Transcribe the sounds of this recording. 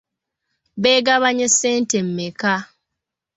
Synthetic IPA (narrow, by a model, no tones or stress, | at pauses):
βeːɡaβaɲesːeːntemːeka